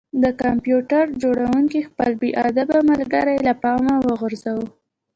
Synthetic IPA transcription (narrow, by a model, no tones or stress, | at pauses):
d̪əkampjuʈaɾd͡ʒoɽawuŋkixpəlbeʔɑ̰d̪abamalɡaɾajlapɑmawəɣəɾzawə